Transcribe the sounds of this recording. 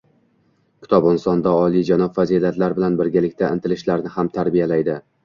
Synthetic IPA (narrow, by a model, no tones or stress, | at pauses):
kʲʰɪ̥t̪ʰɒbɪnsɒnd̪aɒlˠijd͡ʒanɒbfazilat̪laɾbɪlanbɪɾɡʲalɪkʲt̪aɪnt̪ʰɪlɪʃlaɾnɪhamt̪ʰaɾbijalajd̪ɪ